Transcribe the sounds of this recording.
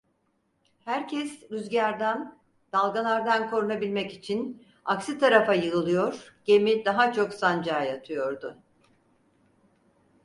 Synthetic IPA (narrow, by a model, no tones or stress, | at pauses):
hæɾcʰɛsyzɟæɾd̪æn | d̪̥alˠɡanˠaɾd̪ankʰo̞ɾunabilʲmɛcit͡ʃʰin | aksit̪ʰaɾafajɯɯlˠɯjo̞ɾ̥ɟ̥e̞mid̪aɦat͡ʃʰo̞ksand͡ʒaːjat̪ʰɯjo̞ɾd̪ʊ